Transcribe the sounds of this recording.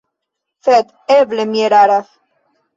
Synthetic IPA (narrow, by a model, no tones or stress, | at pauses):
fɛt̪ | evlemjeɾaɾaf